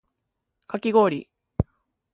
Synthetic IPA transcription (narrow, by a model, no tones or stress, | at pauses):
kakʲiɡo̞ːɾʲḭ